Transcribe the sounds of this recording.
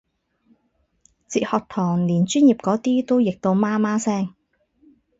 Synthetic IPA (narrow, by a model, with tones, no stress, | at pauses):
t͡siː˨t̚hɔː˨˧k̚t̪ʰɔː˨˩ŋliː˨˩nt͡ʃyː˥nji˨p̚kɔː˨˥t̪iː˥t̪o˥wjɪ˨k̚t̪o˧wmaː˥maː˥sɛː˥˩ŋ